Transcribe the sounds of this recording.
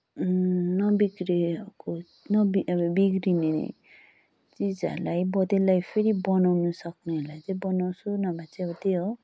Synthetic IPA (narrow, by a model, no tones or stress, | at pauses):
nʌbiɡɾiko | nʌbibiɡɾinenḛ | t͡sid͡zʌ̰ɾlajbʌd̪elːajpʰeɾibʌnawnusʌkneɦelajt͡sejbʌnaw̃sʰunʌbʱat͡sʰeʌbʌt̪eo